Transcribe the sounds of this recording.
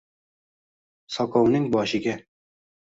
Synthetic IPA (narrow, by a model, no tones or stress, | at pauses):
sɒkɒwnɪŋbɒʃɪɡʲa